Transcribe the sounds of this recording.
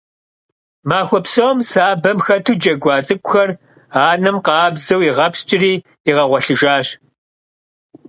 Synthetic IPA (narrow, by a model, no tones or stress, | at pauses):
maːxʷɔpsɐwmsaːbɐmxɐtʰuːd͡ʒɐɡʷɑːt͡sʼɨkʷʼʊxɐr | aːnɨmqɑːbzɐwiʁɐpst͡ʃʼɪriː | iʁɐʁʷɐɬɨʒaːɕ